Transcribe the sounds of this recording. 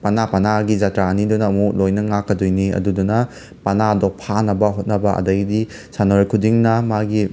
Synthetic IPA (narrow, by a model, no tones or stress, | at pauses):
pɐnapɐnaɡid͡ʒatɾaɐnidunɐːmulojnɐŋakːɐdojniɐ̰dudunɐ | pɐnadok̚pʰanɐbɐɦot̚nɐbɐʔɐ̰dɐɡidi | sanoɾkʰudiŋnɐmaɡi